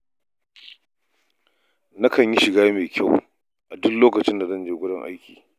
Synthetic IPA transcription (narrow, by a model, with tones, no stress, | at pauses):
na˦kɐ˨ɲji˦ʃɪ˨ɡaː˦jmeː˨kʲʰa˦˨w | ʔa˨dʊ˦kloː˦kɐ˨t͡ʃɪ˦nda˨zɐ˦nd͡ʒeː˨ɡʷʊ˦ɽɪ˦ŋʔa̰˦jkʲʰiː˨